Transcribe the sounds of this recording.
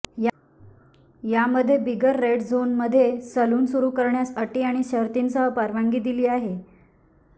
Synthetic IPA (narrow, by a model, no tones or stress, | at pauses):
j | jaməd̪ʱːjebiɡəɾːeɽd͡zonməd̪ʱːjesəluːnsuɾuːkəɾɳjasəʈiːaɽ̃iɕəɾt̪insəɦəpəɾʋaŋɡiːd̪iliːaɦe